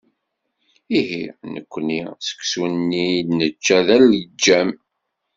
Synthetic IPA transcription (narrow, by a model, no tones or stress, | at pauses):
iɦinə̰kʷːnisə̥kːsunːinət͡ʃːæðæld͡ʒːæm